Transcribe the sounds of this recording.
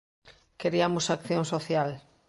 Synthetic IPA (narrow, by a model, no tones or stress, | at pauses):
keɾiamʊsakθjõŋsoθjal